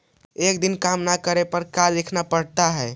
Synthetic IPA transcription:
ekd̪inkamnakəɾepəɾkald̪ekʰnapəɽt̪aɦɛː

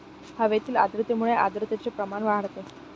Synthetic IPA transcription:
haʋet̪iːla̰d̪ɾət̪emuɭeʔa̰d̪ɾət̪jat͡sepɾəmanʋaɦəɽt̪e

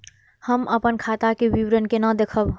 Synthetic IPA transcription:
həməpənkʰat̪akewiwɾənkenəd̪ekʰəb

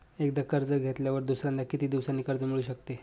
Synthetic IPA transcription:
ek̚d̪akəɾd͡zəɡʱet̪ljaʋəɾd̪usɾãnd̪akit̪iːd̪iʋsanːiːkəɾd͡zəmiɭuːɕəkt̪e

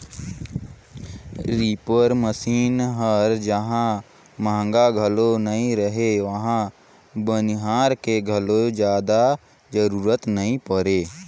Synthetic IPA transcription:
ɾiːpəɾməsiːnɦəɾd͡ʒəɦã | maːŋɡaɡʱəlonəɦĩɾəɦeʋəɦã | bənɪɦaːɾkeɡʱəlod͡ʒjaːd̪a | d͡ʒəɾuːɾət̪nəɦĩpəɾeː

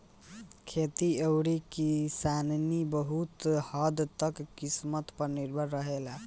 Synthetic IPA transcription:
kʰet̪iəwɽikisannibəɦut̪hɔd̪t̪əkːismət̪pəɾniɾbʱəɾːəɦela

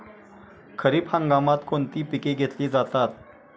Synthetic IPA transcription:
kʰəɾiːphãŋɡamat̪kʰont̪iːpikeɡʱet̪liːd͡zat̪at̪̚

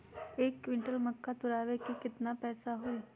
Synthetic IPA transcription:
eːkːʋɪ̃ɳʈəlməkːat̪ʊɾaːʋekekɪt̪napɛːsaɦoi

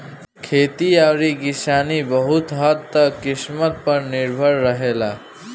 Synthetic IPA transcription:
kʰeːt̪iaːɾikɪsaːnibəɦʊt̪ɦəd̪t̪əkːɪsmət̪̚pəɾnɪɾbʱəɾːəɦeːlaː

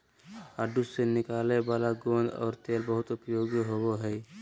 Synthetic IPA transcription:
aːɖusenɪkaːlebaːlaɡond̪ɔ̰ːɾt̪eːlbəɦʊt̪ʊpjoːɡjɦowoɦɛː

